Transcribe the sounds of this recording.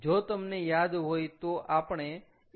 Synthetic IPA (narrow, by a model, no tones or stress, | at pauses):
d͡ʒot̪əmnejad̪ɦojt̪oʔapɳ̃e